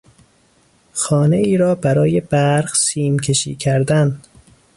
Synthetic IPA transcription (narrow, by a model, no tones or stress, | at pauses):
xɒːne̞iːɾɒːbæɾɒːje̞bæɾɣsiːmcʰe̞ʃḭːcʰæɾd̪æn